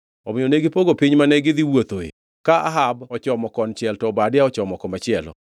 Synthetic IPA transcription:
ɔmɪoneɡɪpoɡopɪɲmanɛɡɪd̪ɪwot̪oḛ | kaʔaɦabɔt͡ʃɔmɔkɔnt͡ʃɪɛltɔbadɪaɔt͡ʃɔmɔkɔmat͡ʃɪɛlɔ̰

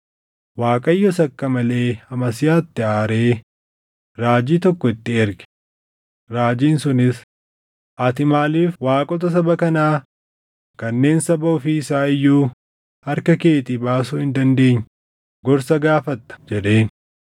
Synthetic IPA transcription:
waːkʼɐjːɔsɐkːɐmɐle̞ːɐmɐsɪjaːt̪ːɪaːɾe̞ː | ɾaːd͡ʒiːt̪ɔkːɔɪt̪ːɪɛɾɡɛ̥ | ɾaːd͡ʒiːnsʊnɪs | ʔɐt̪ɪmaːliːfwaːkʼɔt̪̬ɐs̬ɐbɐkɐnaː | kɐnːe̞ːnsɐbɐɔfiɪsaːɪjːuː | hɐɾkɐke̞ːt̪iːbaːsuːhɪnd̪ɐnd̪e̞ːɲː | ɡɔɾsɐɡaːfɐt̪ːɐ̥d͡ʒɛᶑe̞ːn

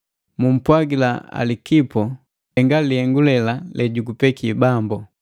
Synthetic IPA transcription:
mum̩pwaɡilaa̰likipɔ | ɛŋɡalihɛŋɡulɛlalʔɛɟuɡupɛkibambɔ

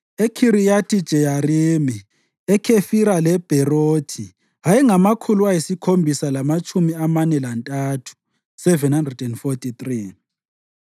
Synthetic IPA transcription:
ekʰiɾijatʰid̥ʒ̥ʱɛjarimi | ɛkʰefiɾalɛb̥ʱɛroːtʰi | ajɛŋamakʰuluajisikʰombʱisalamat͡ʃʼumiamanɛlantʼatʰu̥ | sɛvɛnhandrɛdɛnfotʰʼitriː

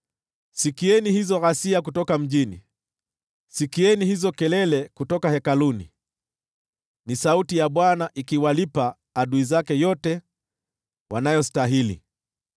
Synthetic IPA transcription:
sikiɛnihizɔɣasiak̬utɔkam̩ʄinḭ | sikiɛnihizɔkɛlɛlɛkutɔkahɛkalunḭ | nisautijaɓwanaʔikiwalipaː | ɗuizakɛjɔtɛ | wʔanajɔstaɦilḭ

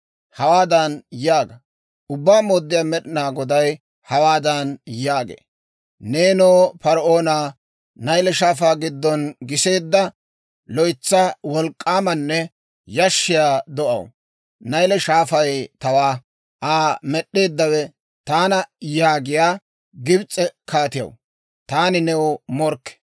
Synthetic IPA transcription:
hɐwaːd̪ɐnjaːɡɐ | ʊbːaːmoːd̪ːɪjaːmɛɗɪnaːɡɔd̪ɐj | hɐwaːd̪ɐnjaːɡḛː | neːnoːpɐɾʔo̞ːna | nɐjlɛʃaːfaːɡɪd̪ːɔnɡɪse̞ːd̪ːɐ | lɔjt͡sːawɔlkʼːaːmɐnːɛ | jɐʃːɪjaːd̪ɔʔɐ̰w | nɐjlɛʃaːfɐjt̪ɐwaː | ʔaːmɛɗːe̞ːd̪ːɐwɛ | t̪aːnɐjaːɡɪjaː | ɡɪbt͡sʼːɛkaːt̪ɪjɐ̰w | t̪aːnɪnɛwmɔɾkːɛ̥

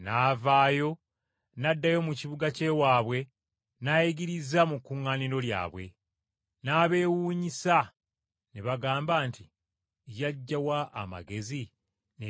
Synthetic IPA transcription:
naːvaːjo̞ | nadːajo̞muciβuɡace̞ːwaːβwe̞ | najiɡiɾizamukːuŋːaːniɾo̞lja̰ːβwe̞̰ | naːβe̞ːwuːɲisa | neβaɡaːmbaːnti | jaɟːawaʔːma̰ɡe̞zi | n

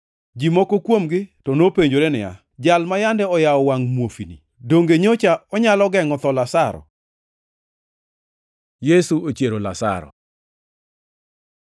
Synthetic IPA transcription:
d͡ʒimɔkokwomɡɪtɔnopeɲd͡ʒoɾenɪja̰ | d͡ʒalmajandɛɔjaɔwaŋmwofinḭ | doŋɡeɲot͡ʃaɔɲalɔɡɛŋɔt̪ɔlasaɾɔ̰ | jesuot͡ʃjeɾola̰sa̰ɾɔ̰

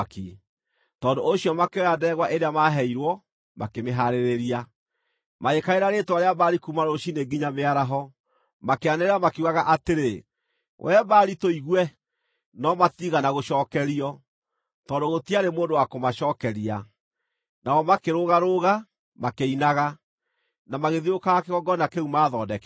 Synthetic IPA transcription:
ki | tɔndoʔoɕiɔmakeoadɛɣwaʔeɾeamaɦɛiɾwɔ | makemeɦaɾeɾeɾia | maekaeɾaɾetwaɾeabaɾikumaɾoʃineɡiɲameaɾaɦɔ | makeaneɾeɾamakeuɣaɣaʔateɾe | wʔɛbaːɾitoiɣwɛ | nɔmatiɣanaɣoʃɔːkɛɾiɔ | tɔndoɣotiaɾemoːndowakomaʃɔːkɛɾia | nawɔmakeɾoɣaɾoɣa | makeinaɣa | namaɣeðiokaɣakeɣɔɡɔnakeumaːðɔdɛk

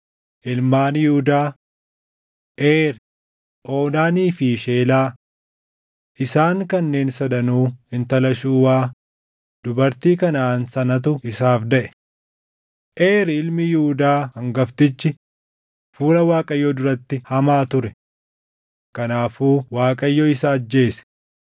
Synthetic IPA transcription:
ʔɪlmaːnjɪhʊd̪aː | ʔeːɾ | ʔo̞ːnaːniːfɪʃe̞ːlaː | ʔɪsaːŋkɐnːe̞ːnsɐd̪ɐnuːhɪnt̪ɐlɐʃuːwaː | d̪ʊbɐɾt̪iːkɐnaːnsɐnɐt̪̬ʊɪsaːfd̪ɐʔɛ̥ | ʔe̞ːɾɪlmɪjɪhʊd̪aːhɐŋɡɐft̪ɪt͡ʃːɪ | fuːlɐwaːkʼɐjːɔd̪ʊɾɐt̪ːɪhɐmaːt̪ʊɾɛ | kɐnaːfuːwaːkʼɐjːɔɪsaːd͡ʒːe̞ːsɛ̥

